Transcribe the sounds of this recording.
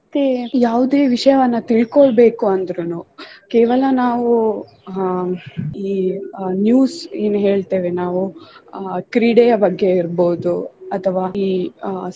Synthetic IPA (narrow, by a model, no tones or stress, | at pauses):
t̪ːejaːʋud̪eːʋiʂɐjɐʋɐnːɐt̪iɭkoɭbe̞ːkuɐnd̪ɾunukeːʋɐlɐnaːʋu | iːnjuːseːnːuɦe̞ːɭt̪eːʋenaːʋu | kɾiːɽɛjɐbɐɡːe̞iɾboːd̪uɐt̪ʰɐʋaːiː